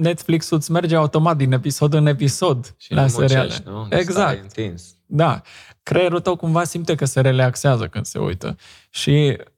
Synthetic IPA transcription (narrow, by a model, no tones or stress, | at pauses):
net̪fliksut̪sme̞rd͡ʒeaut̪o̞mat̪̚d̪ine̞piso̞d̪ɨne̞piso̞d̪lʔaseɾia̰lḛeɡzak̪̚ | d̪a | kɾeɾot̪əwkumvasimpt̪ekəse̞ɾe̞leakseazəkɨnd̪̥se̞̰ṵjt̪ə̰ | ʃi